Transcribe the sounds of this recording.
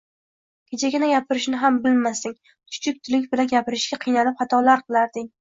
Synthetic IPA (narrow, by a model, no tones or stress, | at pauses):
kʲʰet͡ʃʰaɡʲɪnaɡʲapʰɪɾɪʃnɪɦambɪlmasɪŋ | t͡ʃʰʊ̥t͡ʃʰɪk̚ʲt̪ʰʊlɪkʲbɪlanɡʲapɪɾɪʃɡʲaqʰɨjnalɪp̚hat̪ʰɒlaɾqʰɨlˠaɾd̪ɪŋ